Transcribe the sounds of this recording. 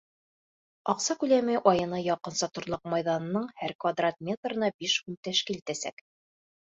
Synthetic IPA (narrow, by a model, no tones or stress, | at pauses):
ɒqsɑkʉlæmɘʔɒjɤ̆nɤjɒqɤ̆nsɑt̪ŏɾlˠɤq̚mɑjðɑnɤ̆nɤɴhæɾkvad̪rat̪̚mʲe̞t̪rɤ̆nɑbiʃhʉmt̪æʃkilit̪æsæ̰k